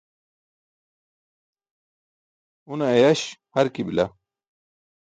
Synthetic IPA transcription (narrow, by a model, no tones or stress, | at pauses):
unɐejɐɕhɐɾkibila̰